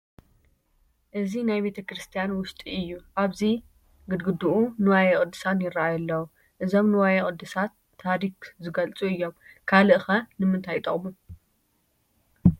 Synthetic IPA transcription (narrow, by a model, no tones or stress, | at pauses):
ʔɨzinajbe̞t̪ʰɐkɾɨst̪ʰijanwʊst̪ʼiɨjːuʔaβzi | ɡɨd̪ɡɨd̪uʔunɨwajɛkʼɨd̪ːɨ̥sanjɪɾːaajɐlːɐwu | ʔɨzo̞mnɨwajekʼɨd̪ːɨsat̪ʰːaɾikzɨɡɐlt͡sʼuɨjːo̞mkʰalɨʔɨxɐnɨmɨnt̪ʰajt̪ʼɐχʼmu